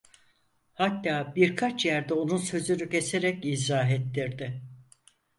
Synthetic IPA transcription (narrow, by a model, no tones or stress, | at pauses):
hat̪ːaːbiɾkʰat͡ʃjæɾd̪ɛo̞nunsø̞zynycʰe̞seɾɛcizaːɦet̪ːiɾd̪ɪ